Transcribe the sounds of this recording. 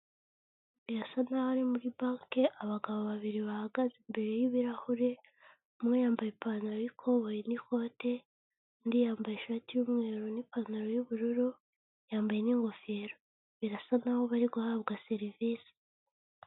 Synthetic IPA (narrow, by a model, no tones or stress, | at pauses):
βiɾasanahaɾimuɾibaːŋkeʔaβaɡaβoβaβiɾiβahaɡazembe̞ɾe̞jiβiɾahuɾe̞ | umŋe̞jaːmbajepanaɾojikʰo̞βojeniko̞ːte̞ | ndijaːmbajeʃaːtijuːmŋe̞ːɾonipaːnaɾo̞juβuɾuɾu | jaːmbaje̞niŋɡo̞feɾo | βiɾasanaho̞βaɾiɡuhaβɡaseɾiviːsi̥